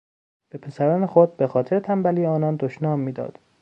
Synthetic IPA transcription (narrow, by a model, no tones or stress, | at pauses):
b̥e̞pʰe̞sæɾɒːnexod̪̚be̞xɒːt̪ʰeɾet̪ʰæmbæliːeɒːnɒːnd̪oʃnɒːmːiːd̪ɒ̰ːd̪̥